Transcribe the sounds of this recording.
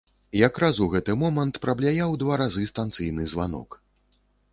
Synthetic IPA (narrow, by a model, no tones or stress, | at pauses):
jakɾazuɣɛt̪ɨmɔmɐnt̪pɾɐblʲajawd̪vaɾazɨst̪ant̪sɨjnɨzvanɔ̰k